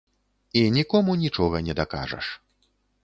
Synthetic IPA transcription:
inʲikɔmunʲit͡ʂɔɣɐnʲɛd̪aka̰ʐɐ̰ʂ

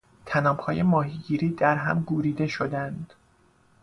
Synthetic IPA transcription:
t̪ʰænɒːbhɒːje̞mɒːɦiːɟiːɾiːd̪æɾɦæ̰mɡuːɾiːd̪e̞ʃo̞d̪ænd̪̥

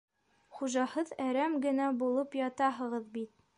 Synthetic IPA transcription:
χuʒɑhɤðæɾæmɡɘ̆næbulˠɤpjɒt̪ɑɦɤ̆ʁɤðbit̪̚

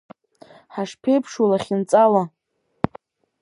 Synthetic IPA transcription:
ħaʂpʰe̞jpʰʂalaχʲint͡sʼala

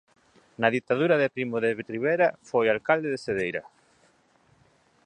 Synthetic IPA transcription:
nɐðit̪aðuɾɐðɪpɾimoðeβriβ̞eɾafojalkald̪eðeseðejɾɐ

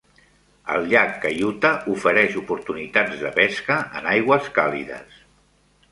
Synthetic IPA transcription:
ə̰lˠʎakːəjut̪əufəɾɛʃupuɾt̪unit̪ad͡zðəpɛskəʔənajɣwəskalḭðə̰s

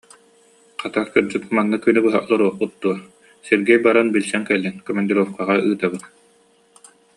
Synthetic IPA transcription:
qat̪aɾkɯɾd͡ʑɯt̪manːɯkynɛbɯɦa̰ʔɔlˠɔɾuɔχput̪̚d̪uɔ | siɾɡɛjbaɾanbilʲsɛŋkɛlːinkɔmɛnd̪iɾɔfkaʁaɯːt̪abɯt̪

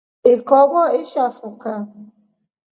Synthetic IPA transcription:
ɪkɔɡɔɪʃafʊka

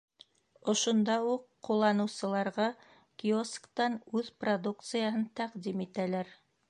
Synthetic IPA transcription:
ŏʃŏnd̪ɑuqːulˠːɑnɤ̆wsɤ̆lˠɑɾʁɑ | kioskt̪ɑnʉðprod̪ukt̪sɨjaɦɤnt̪æqd̪imit̪ælæɾ

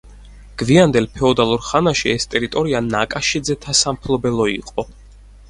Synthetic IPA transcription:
ɡ̥viand̪ɛlpʰɛɔd̪alˠuɾχanaʃiɛst̪ʼɛɾit̪ʼɔɾianakʼaʃid̪zɛt̪ʰasampʰlˠɔbɛlˠɔiqʼɔ

